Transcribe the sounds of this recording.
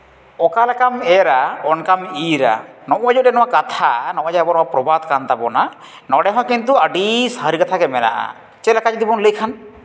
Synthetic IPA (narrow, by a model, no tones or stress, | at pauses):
ɔkalɛkamɛɾaɔnkamiɾa̰nɔʔad͡ʒɔɾɛnɔwakat̪ʰa̰nɔʔad͡ʒabɔnɔwapɾɔbad̪kant̪abɔna | nɔɖɛɦɔ̃kint̪̬uaɖisaɦɾikat̪ʰakɛmɛna̰ʔa̰ | t͡ʃɛlakad͡ʒd̪ibɔnləjkʰan